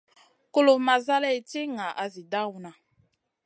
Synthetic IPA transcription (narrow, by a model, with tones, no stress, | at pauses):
ko˦lo˨ma˨za˦lɛ˦e˨te˦ŋa˨ʔa˨zi˨da˦wu˨nã˨